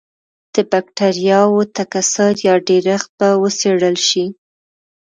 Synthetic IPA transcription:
d̪̥əbak̚ʈaɾijɑwot̪akasəɾjɑɖeɾaxt̪̚bawəseɽəlʃi

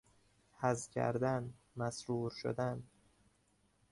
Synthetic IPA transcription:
hæzcʰæ̰ɾd̪æn | mæsɾuːɾʃo̰d̪æn

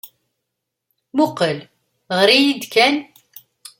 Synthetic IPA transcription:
mʊqəl | ʁəɾijid̪kæn

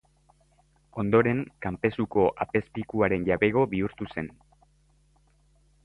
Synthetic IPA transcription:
o̞nd̪o̞ɾe̞ŋkampe̞suko̞ʔape̞spikuaɾe̞nʝaβe̞ɣ̞o̞βiuɾt̪use̞n

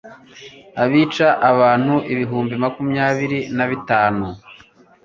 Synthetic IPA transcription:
aβiːt͡ʃaʔaβaːn̥huʔiβiɦuːmbimakumɲaːβiɾinaβitaːnu

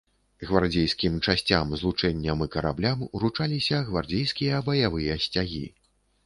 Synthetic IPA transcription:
ɣvard͡zʲejskʲimt͡ʂasʲt͡sʲamzlˠut͡ʂɛnʲːɐmɨkɐɾa̰blʲamuɾut͡ʂalʲisʲɐɣvard͡zʲejskʲijɐbɐjavɨjɐsʲt͡sʲaɣʲḭ

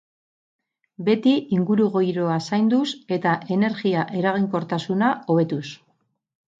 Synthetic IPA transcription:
be̞t̪iiŋɡuɾuɣo̞jɾo̞asajnd̪use̞t̪aʔe̞ne̞ɾɣiaʔe̞ɾaɣ̞iŋko̞ɾt̪asunao̞βe̞t̪us

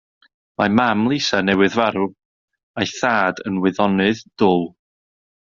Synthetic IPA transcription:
mamamlˠisanɛwɨðvaɾu | ajθaːdənwɨðɔnɨðd̥ʊlˠ

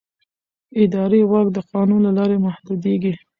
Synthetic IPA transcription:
ɪd̪ɑɾewakd̪əqɑnunlalɑɾemahd̪ud̪eɡi

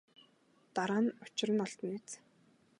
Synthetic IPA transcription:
t̪aɾaːnʊt͡ɕɪ̆rə̆nɔɮt̪ə̆net͡s

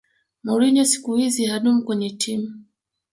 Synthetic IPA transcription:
mɔɾinɔsi̥kuhizihaɗum̩kwɛɲɛtʰimu

